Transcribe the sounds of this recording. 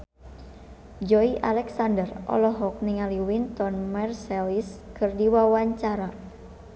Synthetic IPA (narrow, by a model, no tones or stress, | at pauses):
d͡ʒɔiʔalɛksandərʔɔ̰lɔɦɔk̚niŋaliwint̪ɔnmɛrsɛliskɨrdiwawaɲt͡ʃaɾa